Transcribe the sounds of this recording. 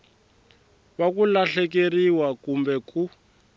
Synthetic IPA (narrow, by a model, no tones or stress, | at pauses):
βakulaɬɛk̬eriwakumbɛku